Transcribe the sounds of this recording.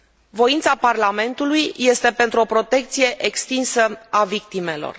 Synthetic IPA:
vo̞int̪saparlame̞nt̪ulujje̞st̪e̞pe̞nt̪ɾuo̞pɾo̞t̪e̞k̚t̪sije̞ʔekst̪insəavik̚t̪ime̞lo̞̰r

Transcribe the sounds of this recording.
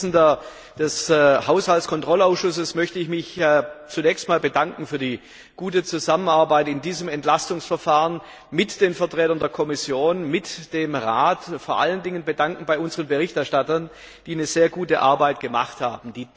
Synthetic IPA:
n̩dɐ | d̥ɛshaʊshaltskʰɔntʁ̥ɔlaʊsʃʊsəsmœçtəɪçmɪçt͡sunɛːçstmaːlbədaŋkŋ̩fyːɐdiː | ɡ̥uːtət͡suzamənaɐbaɪtɪndiːzəmɛntlastʊŋsfɛɐfaːʁən | mɪtd̥eːnfɐtʁ̥ɛːtɐndeːɐkʰɔmɪsjoːnmɪtd̥eːmʁaːtfoːɐʔa̰ləndɪŋənbədaŋkŋ̩baɪʊnzəʁənbəʁɪçtɛɐʃtatɐn | d̥iːnəzeːɐɡuːtəʔa̰ɐbaɪtɡ̥əma̰χtha̰ːbm̩d̥iː

